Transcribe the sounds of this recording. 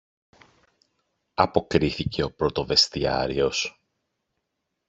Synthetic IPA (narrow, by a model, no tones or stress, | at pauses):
ɐpo̞kɾiθice̞o̞pɾo̞t̪o̞ve̞st̪iɐ̰ɾio̞s